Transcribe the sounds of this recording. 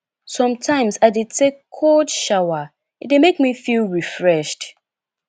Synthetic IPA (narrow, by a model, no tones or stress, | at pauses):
sɔ̃mtʰãɪ̃msadetʰekʰːɔdʃawa | ɪt̚demekmifilˠɹifɹɛʃt